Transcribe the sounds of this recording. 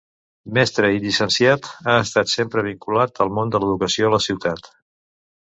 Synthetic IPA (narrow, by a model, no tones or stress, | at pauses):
mɛst̪ɾəiʎisənsiat̪aəst̪at̪sempɾəβ̞iŋkulat̪əlˠmond̪ələðukəsioələsiwt̪at̪